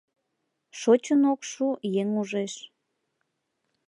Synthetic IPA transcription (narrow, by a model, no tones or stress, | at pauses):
ʃot͡ɕənokʃujeŋuʒeʃ